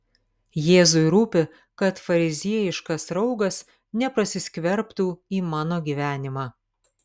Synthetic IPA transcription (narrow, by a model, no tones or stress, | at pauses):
jeːzʊɪɾuːpʲɪ | kɐt̪fɐɾʲɪzʲiɛjɪʃkɐsɾɒʊɡɐs | nʲɛpɾɐsʲɪsʲkʲʋʲɛɾpt̪uːiːmɑːnoːɡʲiːʋʲæːnʲɪmɑː